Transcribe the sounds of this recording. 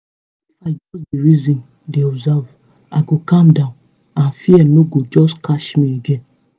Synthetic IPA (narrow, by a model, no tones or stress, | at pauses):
ifaɪd͡ʒɔs̬diɹizĩn | deɔbzav | aɡokãmdãʊ̃n | ãnfiɛnoɡod͡ʒɔskaʃmieɡẽn